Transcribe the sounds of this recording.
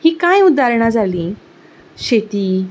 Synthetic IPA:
hiːkajud̪ʱaɾɳad͡zaliː | ɕet̪iː

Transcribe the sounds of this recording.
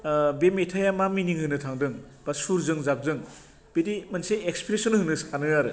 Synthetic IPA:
bemetʰajamaminiŋhɯnɯtʰaŋdɯŋ | b̥asuɾzɯŋzap̚zɯŋ | b̥edimanseekspɾesɔnɦɯnɯsʰanɯaɾɯ

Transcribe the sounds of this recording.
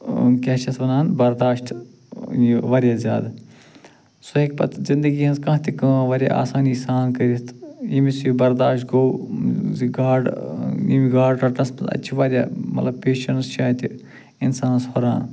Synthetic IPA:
kʲɛːʃɐsʋɐnaːnbɐɾd̪aːʃʈ | jiʋɐɾjaːzʲja̰ːd̪ | soek̚pɐ̰t̪zind̪əɡiːɦɐnzkɐ̃ːɦt̪ʲikɐʋɐɾʲja̰ːʔa̰ːsaːniːsaːnkɐɾist̪jimisubɐɾd̪aːʃʈɡowziɡaːɖimiɡaːɖʈɐʈnɐsmɐɐ̰tːʃʰiʋaɾʲja̰ːmɐ̰t̪lɐb̚peːʃɐnst͡ʃʰaːt̪ʲi | insaːnshoɾa̰ːn

